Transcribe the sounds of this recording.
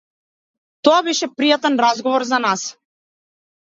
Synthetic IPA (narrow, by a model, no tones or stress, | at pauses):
t̪ɔabɛʃɛpɾijat̪ɛnɾazɡɔvɔɾzanas